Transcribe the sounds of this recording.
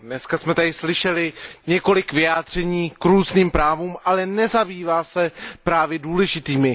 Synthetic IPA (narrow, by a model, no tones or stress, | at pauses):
dnɛskasmɛt̪adɪslɪʃɛlɪɲɛko̞lɪkvɪjaːd̪r̝̥ɛɲiːkɾuːzniːmpɾaːvuːmʔalɛnɛzabiːvaːsɛpɾaːvjɛduːlɛʒɪt̪iːmɪ